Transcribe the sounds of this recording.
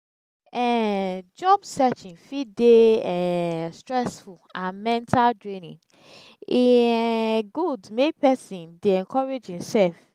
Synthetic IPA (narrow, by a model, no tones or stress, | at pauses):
ɛd͡ʒɔbsɛt͡ʃĩnfideɛstɹɛsfulãnmɛ̃ntʰaldɹĩnĩŋ | i | ɡudmepɛsĩndeɛ̃nkʰɔɹed͡ʒhĩmsɛlf